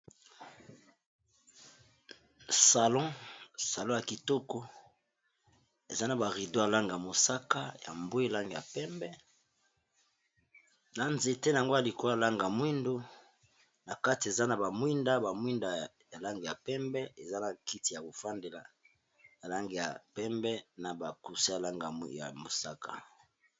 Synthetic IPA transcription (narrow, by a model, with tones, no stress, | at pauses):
sa˨lɔ̃˦sa˨lɔ̃˦ja˨ki˨tɔ˦ko˦ | e˨za˦na˨ba˨ʁi˨do˦ja˨la˦ŋɡa˨mo˨sa˦ka˦ja̰˨mbo˦e˦˨la˦ŋɡe˨a̰˨pɛ˦mbɛ˦ | na˨nze˨te˦na˨a˨ŋɡo˦a˨li˨ko˦a˨la˦ŋɡa˨mwi˦ndo˦ | na˨ka˦ti˨e˨za˦na˨ba˨mwi˦nda˦ba˨mwi˦nda˨ | ja˨la˦ŋɡe˨ja˨pɛ˦mbɛ˦e˨za˦na˨ki˦ti˨ja˨bo˨fa˦nde˨la̰˨ | ja˨la˦ŋɡe˨ja̰˨pɛ˦mbɛ˦na˨ba˨ku˨si˦ja˨la˦ŋɡa˨a̰˨mo̰˨sa˦ka̰˨